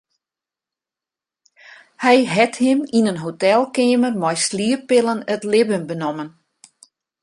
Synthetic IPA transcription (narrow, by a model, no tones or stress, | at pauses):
hɛjɦɛthɪminənɦotɛlˠkeːmərmɔjsliəpɪlənətlɪbəmbənɔmən